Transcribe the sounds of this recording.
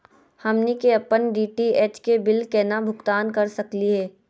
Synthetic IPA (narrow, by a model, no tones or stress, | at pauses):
hɐmnikeɐpənɖiːʈieːt͡ʃkebɪlkɛːnabʱʊkt̪aːnkɐɾsɐkliɦɛː